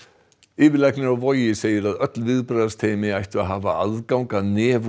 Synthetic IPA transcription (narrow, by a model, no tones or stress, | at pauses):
ɪːvɪlɛhknɪɾawvɔjɪseːjɪɾaðœt̪lvɪðpɾajðast̪ʰeːjmɪajht̪ʏaɦaːva̰aðkawŋkanɛːv